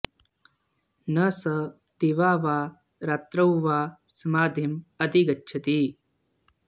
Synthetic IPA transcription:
nɐsɐ | t̪iʋaːʋaː | ɾaːt̪ɾɐwʋaːsɐmaːd̪ʱimɐd̪iɡɐtːʃʰɐt̪iː

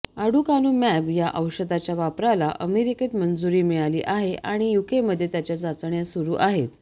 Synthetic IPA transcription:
aɽukanuːmɛbjaʔəwɕəd̪at͡ɕjaʋapɾalaʔəmeɾiket̪mənd͡zuɾiːmiɭalḭːʔaɦeʔaɽ̃ijukeməd̪ʱːjet̪jat͡ɕjad͡zat͡sɳjasuɾuːʔaɦet̪

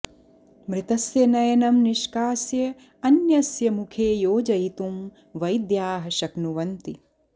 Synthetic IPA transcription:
mɾɪt̪ɐsjɐnɐjɐnɐmniʃkaːsjɐ | ɐnjɐsjɐmukʰeːjoːd͡ʒɐjit̪um | ʋɐjd̪jaːɦɐʃɐknuʋɐnt̪i

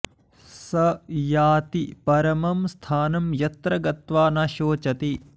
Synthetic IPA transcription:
sɐjaːt̪ipɐɾɐmɐmst̪ʰaːnɐmjɐt̪ɾɐɡɐt̪ʋaːnaːʃoːt͡ʃɐt̪i

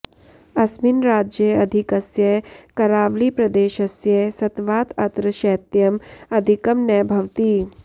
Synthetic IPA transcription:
ɐsminɾaːd͡ʒjəɐd̪ʱikɐsjɐkɐɾaːʋlipɾɐd̪eːʃɐsjɐsɐt̪ʋaːt̪ɐt̪ɾəʃɛːt̪jɐmɐd̪ʱikɐmnɛːbʱɐʋt̪iː

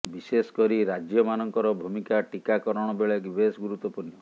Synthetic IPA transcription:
bisesɔ̥kɔɾiɾad͡ʒjɔmanɔŋkɔɾɔbʱumikaʈikakɔɾɔɽ̃ɔbeɭeɡibesɡuɾut̪ːɔpunɔ

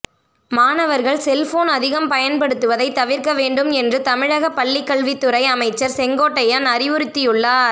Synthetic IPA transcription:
maːnɐʋɐɾɣɐɭsɛlfoːnɐðɪɣɐmpɐjɐnpɐɽɯt̪ːɯʋɐðɐɪt̪ːɐʋɪɾkɐʋeːɳɖɯmɛndrɯt̪ɐmɪɻɐɣɐpːɐɭːɪkːɐɭʋɪt̪ːɯɾɐɪɐmɐɪt͡ʃːɐɾsɛŋɡoːʈːɐjaːnɐɾɪʋɯɾɯt̪ːɪjɯɭːaːɾ

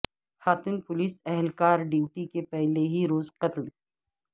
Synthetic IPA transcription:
xaːt̪unpʊliːsɛɦlkaːɾɖiːwʈikepɛɦleɦiɾoːzqɐt̪l

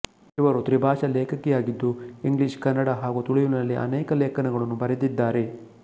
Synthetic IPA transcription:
iʋɐɾut̪ɾibʱaːʂɐleːkʰɐkːɛjaːɡid̪ːuiŋɡliʃkɐnːɐɽaɦaːɡut̪uɭijunɐlːiʔɐ̰nɛːkɐleːkɐnɐɡɐɭɐnːubɐɾed̪id̪ːaːɾe̞

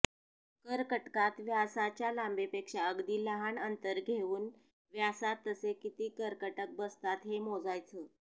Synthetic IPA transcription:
kəɾkəʈkat̪ʋjasat͡ɕjalambepekʂaəɡd̪iːləɦaɳənt̪əɾɡʱeʋuːn | ʋjasat̪ːəsekit̪iːkəɾkəʈək̚bəst̪at̪ɦemod͡zajt͡səː

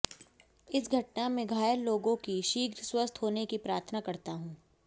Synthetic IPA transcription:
ɪsɡʱɐʈnamẽɡʱaːjəlloːɡõkiʃiːɡɾswəst̪ʰɦoːnekipɾaːɾt̪ʰənakɐɾt̪aɦũː

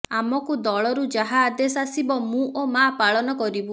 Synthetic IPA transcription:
amɔkud̪ɔɭɔɾud͡ʒaɦaːd̪esasibɔmũʔomapaɭɔnɔkɔɾibu

